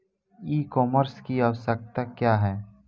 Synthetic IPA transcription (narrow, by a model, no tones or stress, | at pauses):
iːkɔːməɾskiɐʋsək̚t̪akjaːɦɛː